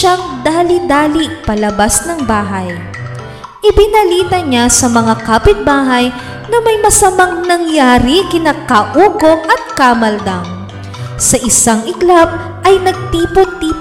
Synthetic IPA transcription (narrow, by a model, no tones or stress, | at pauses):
aŋd̪aːlid̪aːlipɐlɐbasnɐŋbaːɦɐj | ʔɪbɪnɐliːt̪ɐɲasɐmɐŋakaːpɪt̪̚baːɦɐj | nɐmɐjmɐsɐmaŋnɐŋjaːɾikɪnakaʔuːɡo̞ŋʔɐt̪̚kamɐld̪aŋ | sɐʔɪsaŋʔɪklap̚ | ʔɐjnɐɡ̚t̪iːpot̪ːiːp